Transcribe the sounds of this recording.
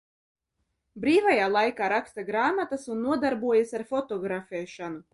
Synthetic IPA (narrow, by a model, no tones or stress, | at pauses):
bɾiːvajaːlˠajkaːɾakst̪aɡɾaːmat̪asunːuɔd̪aɾbuɔjasʲaɾfɔt̪ɔɡɾafʲɛːʃanu